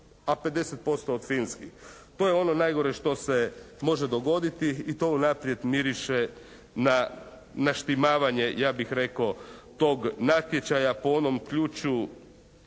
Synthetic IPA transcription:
ape̞d̪e̞set̪̚po̞st̪oːd̪finskixt̪o̞jeo̞no̞najɡo̞ɾe̞ʃt̪o̞se̞mo̞ʒed̪o̞ɡo̞d̪it̪iit̪o̞unapɾije̞d̪miɾiʃe | na | naʃt̪imaːʋaɲe̞jaːbixɾe̞kot̪o̞ːɡnat̪je̞t͡ɕajapoo̞no̞mkʎuːt͡ʃu

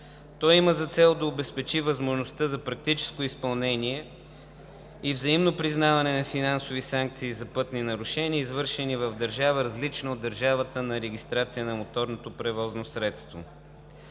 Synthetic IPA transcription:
t̪ɔjiməzɐt̪sɛlˠd̪ɐobɛspɛt͡ʃivəzmoʒnost̪əzɐpɾɐk̚t̪it͡ʃɛ̥skoispɐlˠnɛniɛ | ivzɐimnopɾiznavɐnɛnɐfinansovisaŋk̚t̪siːzɐpɤt̪ninɐɾʊʃɛniəizvɤɾʃɛnivɐvd̪ɐɾʒavəɾɐzlit͡ʃnɐod̪ːəɾʒavət̪ənɐɾɛɡʲist̪ɾat̪sijənɐmot̪ɔɾnot̪opɾɛvɔznosɾɛt̪st̪vo̰

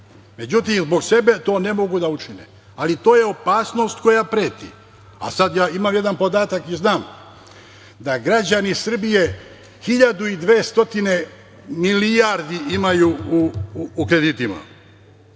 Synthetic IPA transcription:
me̞d͡ʑut̪imzbo̞ɡse̞be̞t̪o̞ːne̞mo̞ɡud̪aut͡ʃinḛ | alit̪o̞ːje̞o̞paːsno̞ːst̪ko̞japɾeːt̪ḭ | a̰sad̪jaːimamje̞d̪anpo̞d̪aːt̪akiznaːm | d̪aɡɾad͡ʑanisr̩bije̞ | hiʎad̪uid̪ʋeːst̪o̞t̪ine̞ | milijaɾd̪iʔimajuuːkɾe̞d̪iːt̪ima̰

